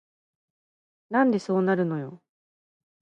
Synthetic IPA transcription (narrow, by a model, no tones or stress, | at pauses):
nãnd̪e̞so̞ːnaɾɯ̟no̞jo̞̰